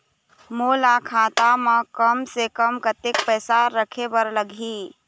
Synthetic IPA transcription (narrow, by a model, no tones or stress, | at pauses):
moːlakʰat̪amə̃kəmsekəmkət̪ek̚pəsaɾəkʰebəɾləɡʱi